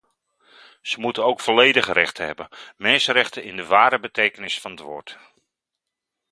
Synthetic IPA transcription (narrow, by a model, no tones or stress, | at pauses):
z̥əmutəowkfɔlejdəχrɛ̰χtəɦɛ̰bəmɛnsərɛχtəɪndəʋaːɾəbətejkənɪsfɑnətʋʊ̰ːɹt